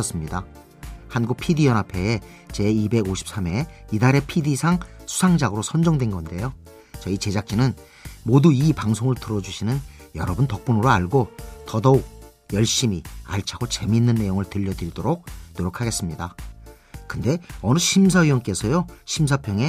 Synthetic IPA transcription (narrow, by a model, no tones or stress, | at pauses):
ʌs͈ɯmɲida | hanɡuk̚pʰidijʌnapʰe̞e | t͡ɕe̞ibe̞ɡoɕʰi̥p̚s͈ame̞idaɾe̞pʰidisʰaŋsʰu̥sʰaŋd͡ʑaɡɯɾosʰʌnd͡ʑʌŋdwenɡʌnde̞jo | t͡ɕʌit͡ɕe̞d͡ʑak̚t͡ɕ͈inɯn | moduipaŋsʰoŋɯɭtɯɾʌd͡ʑuɕʰinɯn | jʌɾʌbɯntʌk̚p͈unɯɾoaɭɡotʌdʌuk̚ | jʌɭɕ͈imia̰ɭt͡ɕʰaɡot͡ɕe̞minːɯnːe̞joŋɯɭtɯʎːʌdɯɾidoɾok̚noɾjokʰaɡe̞s͈ɯmɲida | kɯnde̞ʌnɯɕʰims̬ʰaiwʌnk͈e̞sʰʌjoɕʰimsʰapʰjʌŋe̞